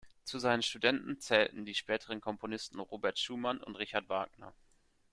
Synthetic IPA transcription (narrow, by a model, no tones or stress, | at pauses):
t͡suzaɪnənʃtudɛntn̩t͡sɛːltn̩diːʃpɛːtʰəʁənkʰɔmpʰonɪstn̩ʁoːbɛɐtʃuːmanʊ̰ntʁɪçaɐtv̥aːknɐ̰